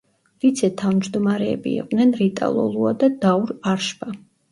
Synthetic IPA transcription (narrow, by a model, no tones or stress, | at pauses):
vit̪sʰɛt̪ʰavmd͡ʒd̪ɔmaɾɛ̰ːbḭːqʼd̪nɛnɾit̪ʼa̰lˠɔ̰lˠuad̪ad̪auɾaɾʃba